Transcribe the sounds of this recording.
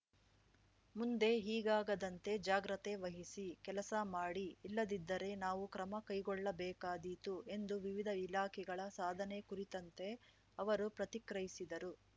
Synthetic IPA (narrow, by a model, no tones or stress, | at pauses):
mund̪e̞ɦiːɡaːɡɐd̪ɐnt̪e̞d͡ʒaːɡɾɐt̪e̞ʋɐɦisikɛlɐsɐmaːɽiːlːɐd̪id̪ːɐɾe̞naːʋukɾɐmɐkɐjɡɔɭːɐbɛːkaːd̪it̪ue̞nd̪uʋiʋid̪ʱɐilaːkʰɛɡɐɭɐsaːd̪ʱɐne̞kuɾit̪ɐnt̪e̞ | ɐʋɐɾupɾɐt̪ikɾɐjisid̪ɐɾu